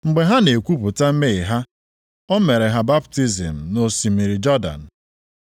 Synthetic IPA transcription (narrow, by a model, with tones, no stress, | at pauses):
ŋ͡m̩˨ɡ͡be˨ɦa˦ne˨kʷu˦pʊ˨ta˦m̩˦me˦˨ɦa˦ | ɔ˦me˨ɾe˨ɦa˦ba˦pti˦zḭ˨m̩˨no˨si˨mi˨ɾi˨d͡ʒɔ˦da̰˨n̩˨